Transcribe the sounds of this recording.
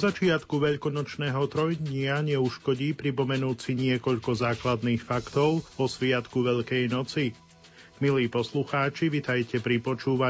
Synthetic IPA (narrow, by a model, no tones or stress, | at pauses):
zat͡ʃɪat̪kuʋɛʎkɔnɔt͡ʃnɛːɦɔt̪ɾɔjd̪ɲɪaɲɛuʃkɔɟiːpɾipɔmɛnuːt͡siɲɪɛkɔʎkɔzaːklad̪niːxfakt̪ɔʊʋɔsʋɪat̪kuʋɛʎkɛjnɔt͡si | miliːpɔsluxaːt͡ʃiʋit̪ajcɛpɾipɔt͡ʃuːʋa